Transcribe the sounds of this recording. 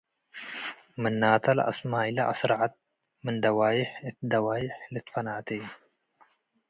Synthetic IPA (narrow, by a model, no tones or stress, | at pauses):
mɨnːaːt̪ʰɐlɐ̰smaːjlɐʔa̰sɾaʕat̪̚ | mɨnd̪ɐwaːjɪħɨt̪d̪ɐwaːjɪħlɨt̪fɐnaʔt̪ʰej